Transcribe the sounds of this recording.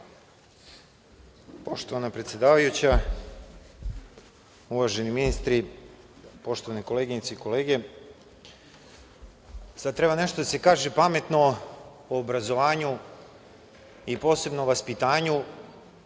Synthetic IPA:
po̞ʃt̪oʋanapɾet̪sje̞d̪aːʋajut͡ɕa | uʋaʒe̞niminist̪ɾi | po̞ʃt̪o̞ʋaneko̞leɡiɲit̪seiko̞le̞ːɡe̞ | sad̪̚t̪ɾe̞bane̞ʃt̪o̞d̪ase̞kaːʒepame̞t̪no̞ | oːbɾazo̞ʋaːɲu | ipo̞ːse̞bnoʋaspit̪aːɲu

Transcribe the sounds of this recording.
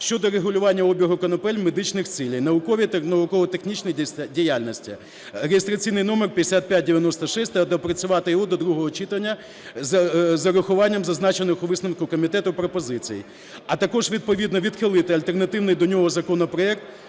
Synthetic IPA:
ʃt͡ʃɔd̪ɔɾeɦʊlʲʊʋɑnʲːɐɔbʲiɦʊkɔnɔpɛlʲmed̪ɪt͡ʃnɪxt͡sʲilʲɐjnɐʋʊkɔʋʲit̪nɐʋʊkɔʋɔt̪exnʲit͡ʃnɪjdʲijalʲnʲɔsʲtʲḭ | ɾejest̪ɾɐt͡sʲijnɪjnɔmerpʲjɐd̪esʲat̪̚pʲjat̚ʲdʲeʋʲjɐnɔst̪ɔʃɛsʲt̪ɐd̪ɔpɾɐt͡sʲʊʋɑt̪ɪjɔɦɔd̪ɔd̪ɾuɦɔɦɔt͡ʃit̪ɐnʲːɐ | zɐzɐɾʊxʊʋɑnʲːɐmzɐznɑt͡ʃenɪxʊʋɪsnɐmkʊkɔmʲit̪ɛt̪ʊpɾɔpɔzɪt͡sʲḭjḭ | ɐt̪ɐkɔʒʋʲid̪̚pɔʋʲid̪nɔʋʲid̪xɪlˠɪt̪ɪɐlʲt̪ernɐt̪ɪwnɪjd̪ɔnʲɔɦɔzɐkɔnɔpɾɔɛk̚t̪

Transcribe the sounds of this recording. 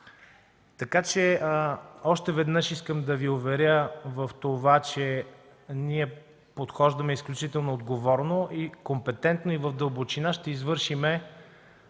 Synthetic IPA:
t̪ɐkat͡ʃɛ | ɔʃt̪ɛvɛd̪nɤʃiskəmd̪ɐviovɛɾʲəvəft̪ovat͡ʃɛ | niɛ | pot̪xɔʒd̪ɐmɛisklʲut͡ʃit̪ɛlˠnoːd̪ɡovɔɾnoʔikompɛt̪ɛnt̪noivəfd̪əlˠbot͡ʃinaʃt̪ɛizvɤɾʃimɛ

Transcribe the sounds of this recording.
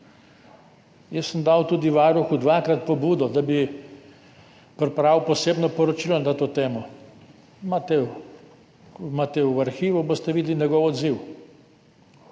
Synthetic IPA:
jəsːəmd̪awt̪uːd̪iʋaːɾuxud̪ʋakɾat̪̚pɔbuːd̪ɔd̪abi | pɾɛpɾawpɔseːbnɔpɔɾɔt͡ʃilɔnat̪oːt̪eːmɔ | mat̪ɛ | mat̪ɛwaɾxiːʋubost̪ɛʋid̪linɛɡɔwɔd̪ziw

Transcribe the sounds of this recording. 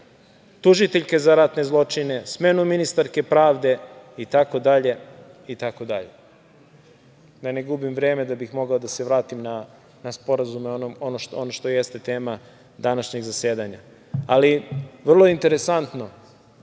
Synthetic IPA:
t̪uʒit̪eʎke̞zaɾat̪ne̞zlˠo̞t͡ʂine̞smeːnuminist̪aɾke̞pɾaːʋd̪e̞it̪ako̞d̪aʎe̞it̪ako̞d̪aʎe̞ | d̪aneɡubimʋɾeːme̞d̪abixmo̞ɡaod̪aseʋɾaːt̪imna | naspo̞ɾazumeonomonoʃonoʃt̪ojest̪et̪eːma | d̪anaʃɲeɡzase̞ːd̪aɲa̰ | aliʋr̩lˠoint̪e̞ɾe̞sant̪no̞

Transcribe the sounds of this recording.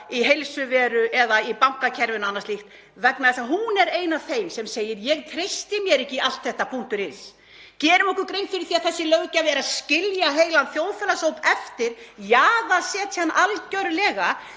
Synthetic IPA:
iɦejlsʏvɛːɾʏʔɛðaipaŋ̥kacʰɛɾvʏnanːaɾstlixt̪ | vɛknaðɛsaɦunɛɾeːjnavθejmsɛmseːjɪɾjɛɣt̪ʰɾejst̪ɪmjɛɾɛhcːɪal̥t̪θɛht̪apʰun̥t̪ʏɾɪns | cɛːɾʏmɔhkʏɾkɾejnfɪɾɪɾθiːaðθɛsːɪlœɣcavɛːɾaðscɪljaɦeːjlanθjowðfɛlashowpɛft̪ɪɾ̥jaːðasɛːt̪analcœɾlɛːɣa

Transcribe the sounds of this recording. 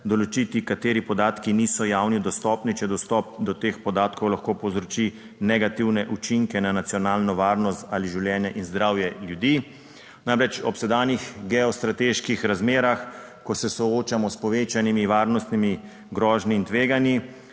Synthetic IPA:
d̪ɔlɔt͡ʃit̪ikat̪eːɾipɔd̪aːt̪kinisɔjawnid̪ɔst̪ɔːpnit͡ʃɛd̪ɔst̪ɔp̚d̪ɔt̪eːxpɔd̪aːt̪kɔwlaxkoːpɔwzɾɔt͡ʃi | nɛɡat̪iwnɛʔut͡ʃiŋkɛnanat̪sjɔnaːlnɔʋaːɾnɔst̪aliʒiwljɛːnjɛʔinzd̪ɾaːwjɛljud̪iː | namɾɛt͡ʃɔpsɛd̪aːnjixɡɛɔst̪ɾat̪eːʃkixɾazmeːɾax | kɔsɛsɔoːt͡ʃamɔspɔʋet͡ʃanimiʋaːɾnɔst̪nimi | ɡɾɔːʒniːnt̪ʋeːɡanji

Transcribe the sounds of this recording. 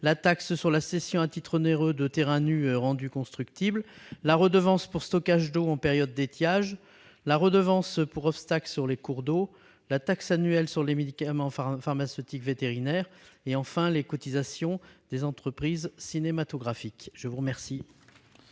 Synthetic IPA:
lat̪akssyʁlasesjɔ̃at̪it̪χəneʁød̪ət̪eʁɛ̃nyʁɑ̃d̪ykɔ̃st̪χyk̚t̪ibllaʁəd̪əvɑ̃spuʁst̪ɔkaʒd̪oɑ̃peʁjɔd̪ːet̪jaʒ | laʁəd̪əvɑ̃spuʁɔpst̪aklsyʁlekuʁd̪o | lat̪aksanyɛlsyʁlemed̪ikamɑ̃faʁmasøt̪ikvet̪eʁinɛʁeɑ̃fɛ̃lekɔt̪izasjɔ̃d̪̥ezɑ̃t̪χəpχizsinemat̪ɔɡʁafikʒ̥əvuʁəmɛʁsi

